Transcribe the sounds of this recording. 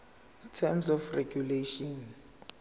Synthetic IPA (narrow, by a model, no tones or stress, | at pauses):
tʰɛmsɔfrɛɡjuleʃɔn